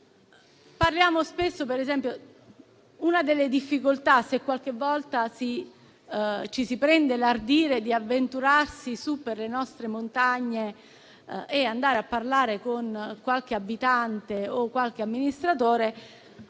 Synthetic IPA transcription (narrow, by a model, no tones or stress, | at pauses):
parljaːmospesːopeɾezɛmpjo | unad̪elːed̪ifːikolt̪asekːwalk̟evːɔlt̪asi | t͡ʃisipɾɛnd̪elard̪iːɾed̪iavːent̪uɾarsisupːerlenɔst̪ɾemont̪aɲːe | ɛand̪aːɾeapːarlaːɾekonkwalk̟eabːit̪ant̪eokːwalk̟eamːinist̪ɾat̪oːɾe